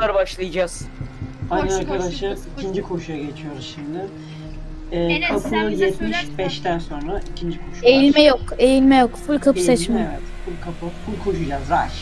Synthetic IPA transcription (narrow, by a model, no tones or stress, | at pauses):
aɾbaʃlˠɯjad͡ʒaz̥ajnɛaɾkʰad̪aʃɯmicʰind͡ʒikʰo̞ʃujaɟe̞t͡ʃʰijo̞ɾuzʃimd̪ɪ | ɛːkʰapʰɯɯjɛt̪miʃbɛʃt̪ʰænso̞nɾaicʰind͡ʒikʰo̞ʃu̥ejilʲmɛjokejilʲmɛjo̞kfulʲˠkʰapssɛt͡ʃmaɛt̪fulʲkʰapafulʲˠkʰo̞ʃud͡ʒazɾaʃ